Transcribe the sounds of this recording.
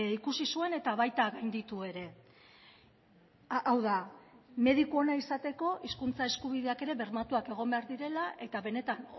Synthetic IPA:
ikusisue̞ne̞t̪aβ̞ajt̪aɣajnd̪it̪ue̞ɾe̞ | ʔawðame̞ð̞ikuo̞naisat̪e̞ko̞ʔiskunt͡sae̞skuβ̞iðe̞ake̞ɾe̞βe̞ɾmat̪uake̞ɣ̞o̞mbeaɾðiɾe̞laʔe̞t̪aβe̞ne̞t̪an

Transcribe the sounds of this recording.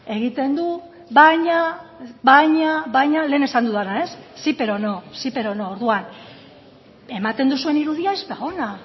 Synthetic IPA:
e̞ɣ̞it̪e̞nd̪u | βajɲaβajɲaβajɲale̞ːne̞sand̪uðanae̞sːipe̞ɾo̞nosipe̞ɾo̞noːɾðuan | e̞mat̪e̞nd̪usue̞niɾuðiaezβeɣo̞na

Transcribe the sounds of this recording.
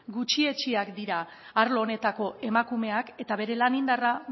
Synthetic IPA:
ɡut͡ʃie̞t͡ʃiakd̪iɾaː | ɾlo̞ːne̞t̪ako̞ʔe̞makume̞ake̞t̪aβe̞ɾe̞lanind̪ara

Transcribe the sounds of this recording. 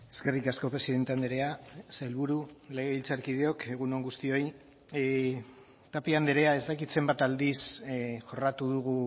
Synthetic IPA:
e̞ske̞rikasko̞pɾesiðe̞nt̪eand̪eɾe̞aselβuɾule̞ɣeilt͡saɾkið̞eo̞ke̞ɣ̞unoŋɡust̪io̞j | t̪apiand̪eɾe̞ae̞zt̪akit̪se̞mbat̪ald̪isʝo̞rat̪uðuɣu

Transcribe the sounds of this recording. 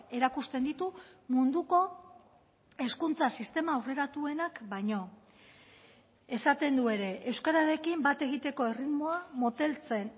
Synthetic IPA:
e̞ɾakust̪end̪it̪umund̪uko̞ | e̞skunt͡sasist̪e̞mawre̞ɾat̪ue̞nakbajɲo̞ | e̞sat̪e̞nd̪ue̞ɾe̞ʔewskaɾaɾe̞kimbat̪e̞ɣ̞it̪e̞ko̞e̞rit̪mo̞amot̪e̞lt͡se̞n

